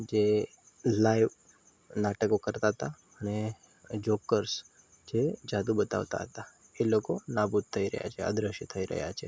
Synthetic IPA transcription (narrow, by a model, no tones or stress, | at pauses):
d͡ʒe | laiʋ | naʈəkokəɾt̪aɦət̪a | əñe | d͡ʑokəɾs | d͡ʒed͡ʒad̪ubət̪a̰ʋt̪a̰ɦət̪a | elokonabud̪̚t̪ʰəiɾə̰ɦja̰t͡ʃeə̰d̪ɾəɕit̪ʰəiɾə̰ɦja̰t͡ʃʰe